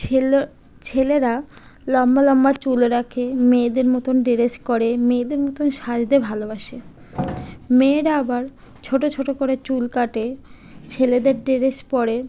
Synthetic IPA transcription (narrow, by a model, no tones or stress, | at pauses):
t͡ɕʰeleɾalɔmbalɔmbat͡ɕuleɾakʰemed̪eɾmot̪onɖiɾeskoɾemed̪eɾmot̪onʃad͡ʑd̪ebʱalobaʃe | meɾaabaɾ | t͡ɕʰoʈot͡ɕʰoʈokoɾet͡ɕulkaʈe | t͡ɕʰeled̪eɾɖiɾespɔɾe